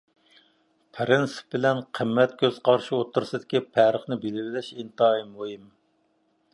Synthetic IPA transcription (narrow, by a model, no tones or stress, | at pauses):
pʰɾɪnsɨ̥p̚bɪlɛnqʰəmːɛt̪̚kʲʰøz̥qʰɑɾʃiot̪ʰːuɾsɨd̪ɪkʲipʰæɾəχnɪbelvɪlɪʃint̪ɑːimːuɦɨm